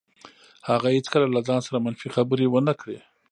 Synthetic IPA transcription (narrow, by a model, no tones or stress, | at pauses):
haɣahet͡skəlalazɑnsaɾamanfixabəɾewənakɽe